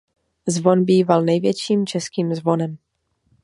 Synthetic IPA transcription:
zvo̞nbiːvalnɛjvjɛt͡ʃiːmt͡ʃɛskiːmzvo̞nɛm

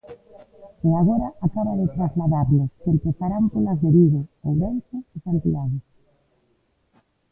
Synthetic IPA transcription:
eaɣ̞ɔɾɐakaβaðet̪ɾazlaðaɾlʊkempeθaɾampolazðeβiɣʊowβɛnsʊɪsant̪iaðɪs

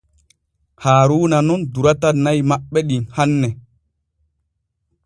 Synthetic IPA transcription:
haːɾuːnanɔnduɾatanːajmaɓːɛɗinhanːɛ

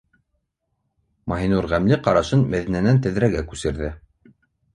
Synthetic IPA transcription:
mɑɦinuɾʁæmlɘqɑɾɑʃɤnmæðinænænt̪ɘ̆ðɾæɡækʉsɘ̆ɾðɘ

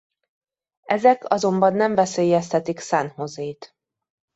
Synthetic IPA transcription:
ɛzɛkʰɒzo̞mbɒnːɛɱvɛseːjɛst̪ʰɛt̪iksaːnho̞zeːt̪

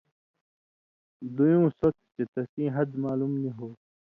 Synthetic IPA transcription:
d̪ujõːsɐt̪t͡ɕet̪ɐsĩːɦɐd̪maːlumniɦoː

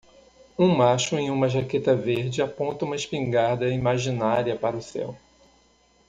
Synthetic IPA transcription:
ũmaʃʊẽj̃ũmɐʒaket̪ɐveɾd͡ʒɪapõnt̪ɐũmɐɪʃpĩŋɡaɾd̪ɐimaʒinaɾiɐpaɾɐʊsɛ̰w

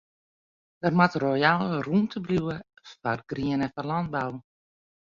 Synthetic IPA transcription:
dərmatrojalruntʰəbljuwə | farɡriənəfɔlɔnd̚baw

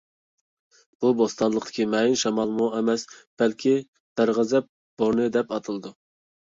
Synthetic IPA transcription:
b̥ubost̪ɑnlˠəq̚t̪ɪ̥kʲʰimɛjinʃɑmɑlˠmuɛmɛsb̥ɛlkʲʰi | b̪̥æɾʁəzɛp̚ | b̥oɾnɨd̪ɛpɑt̪ʰɨlˠɨd̪u

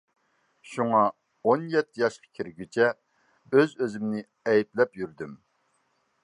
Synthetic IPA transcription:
ʃuŋɑ | onjɛt̪ʰːɪjɑʃqʰɑ̥kʲʰiɾɡʲyt͡ʃʰɛ | øzøzɪmnɪ | ɛjiplɛpjyɾd̪ym

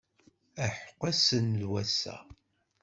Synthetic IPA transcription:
æħə̥qːæsənlwæsæ̰

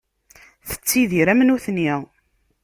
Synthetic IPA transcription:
θə̥t͡sːiðiɾæmnuθniʁ

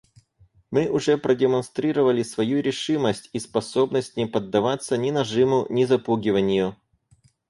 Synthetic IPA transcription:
mɨʔʊʐɛpɾʔədʲɪmɐnst̪ɾʲiɾəvəlʲɪsvɐjuɾʲɪʂɨməsʲtʲispɐso̞bnəsʲtʲnʲɪpəd̪ːɐvat̪sːənʲɪnɐʐɨmʊnʲɪzɐpuɡʲɪvənʲɪjʊ

